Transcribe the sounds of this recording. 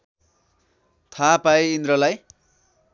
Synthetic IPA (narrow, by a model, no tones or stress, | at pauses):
t̪ʰapaeind̪ɾʌlaj